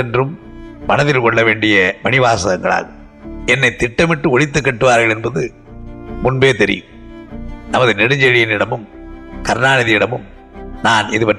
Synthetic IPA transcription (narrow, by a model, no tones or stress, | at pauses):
ɛndrɯm | mɐnɐðɪlkɔɭːɐʋeːɳɖɪjɐmɐnɪʋaːsɐɣɐŋɡɐɭa̰ːɣɯm | ɛnːɐɪt̪ɪʈːɐmɪʈːɯɔɻɪt̪ːɯkːɐʈːɯʋaːɾɣɐɭɛnbɐðɯ | mʊnbeːt̪ɛɾɪ̰jɯm | nɐmɐðɯnɛɽɯɲd͡ʒɛɻɪjɪnɪɽɐmɯmkɐɾnaːnɐðɪjɪɽɐmɯm | naːnɪðɯpɐʈ